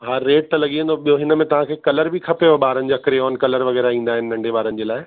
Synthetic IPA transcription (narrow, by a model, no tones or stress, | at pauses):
ɦaːeːʈ̚t̪ɐlɐɠiə̃nd̪oɓijoɦɪnəmẽt̪ɐʋ̤ãkʰeːkɐləɾbʱikʰɐpejoɓaːɾənɪ̆d͡ʑaːkɾeɔːnkɐləɾʋɐɣɛːɾaĩːn̆d̪aːɦɪnɪ̆nɐ̃ɳɖʱeɓaːɾənɪd͡ʑeːlaːɪ